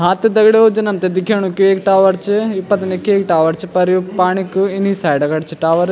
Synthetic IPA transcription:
ɦãːt̪ed̪ɐɡɽeod͡ʒɐnɐmt̪ed̪ɪkʰeːɽ̃ũkieːkʈaːʋɐɾt͡ʃʰɪipɐt̪ɐnekeːkʈaːʋɐɾt͡ʃʰipɐɾjupaːɳ̃ikuɪnisaːjɖɐɡɐɽt͡ʃʰiʈaːʋɐɾ

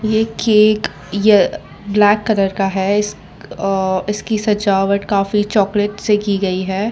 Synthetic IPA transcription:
jeːkeːk | je | blɛːkːɐɾəɾkaɦɛɪs | ɪskisɐd͡ʒaːʋəʈkaːfit͡ʃɔːkleʈsekiɡɐiɦɛː

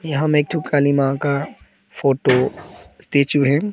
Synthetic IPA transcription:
jɐɦãmeːk̚ʈ̪ʰukʰaːlimãka | fʰoːʈost̪eːt͡ʃuɦɛ

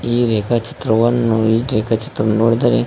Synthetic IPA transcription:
iːɾeːkʰat͡ʃi̥t̪ɾɐʋɐnːuiːɾeːkʰat͡ʃi̥t̪ɾɐʋnːunoːɽid̪aːɾe

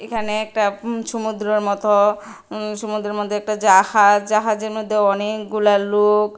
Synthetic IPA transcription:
ekʰaneɛk̚ʈaʃumud̪ɾɔɾmɔt̪o | ʃumud̪ɾeɾmod̪ʱːeɛk̚ʈad͡ʒahad͡ʒd͡ʒaɦad͡ʒeɾmod̪ʱːjoɔnekɡulalok

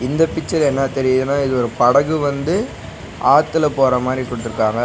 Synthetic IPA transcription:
ɪnd̪ɐpɪt͡ʃːɐɾɛnːɐt̪ɛɾɪjɐðɯnːaːɪðɯɔɾɯpɐɽɐɣɯʋɐnd̪ɯ | aːt̪ːɯlɐpoːɾɐmaːd̪ɾikɔɽɯt̪ːɯɾɯkːaːŋɡɐ

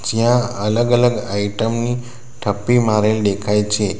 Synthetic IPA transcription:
d͡ʑjãələɡələɡaiʈəmni | ʈʰəpːimaɾelɖ̪ekʰajt͡ɕʰe

